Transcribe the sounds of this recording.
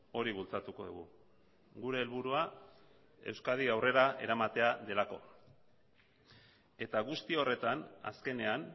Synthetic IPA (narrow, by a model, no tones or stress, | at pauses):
o̞ɾiβ̞ult͡sat̪uko̞ðṵɣṵ | ɡuɾe̞ːlβuɾua | e̞̰wskað̞iawre̞ɾaʔe̞̰ɾamat̪e̞aðe̞lako̞̰ | e̞t̪aɣust̪io̞re̞t̪ana̰ske̞ne̞an